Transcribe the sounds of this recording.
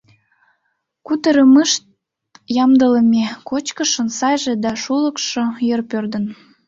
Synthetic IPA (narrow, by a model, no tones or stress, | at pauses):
kut̪əɾəməʃt̪ | jɑmd̪ələ̆mekot͡ɕkəʃənsɑjʒed̪ɑʃulə̆kʃojərpørd̪ə̆n